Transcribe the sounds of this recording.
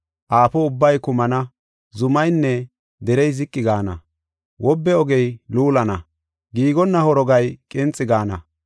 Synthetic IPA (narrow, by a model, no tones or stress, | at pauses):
ʔaːpɔʊbːɐjkʊmɐnɐ | zʊmɐjnːɛ | d̪ɛɾɛjzɪkʼːɪɡaːnɐ̰ | wʔɔbːɛɔɡɛjluːlɐnɐ | ɡiːɡɔnːɐhɔɾɔɡɐjkʼɪnt͡sʼːɪɡaːnɐ̰